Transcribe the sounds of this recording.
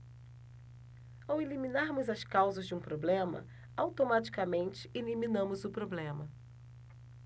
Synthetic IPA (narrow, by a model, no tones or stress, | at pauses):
awelimĩnaɾmʊzɐskawzɐzd͡ʒɪũpɾoblẽmɐ̰ | awt̪omat͡ʃi̥kɐmẽnt͡ʃɪeliminɐ̃mʊzʊpɾoblẽmɐ